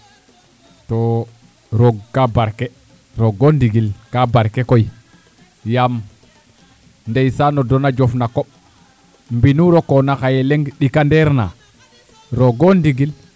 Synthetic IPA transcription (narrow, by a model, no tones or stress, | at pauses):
to | ɾoɡkːabaɾke | ɾoɡondiɡilkabaɾkekoj | jam | ndejsanodonad͡ʒofnakoɓ̚ | mbinuɾokonakajeleŋɡɗikandeɾna̰ | ɾoɡondiɡil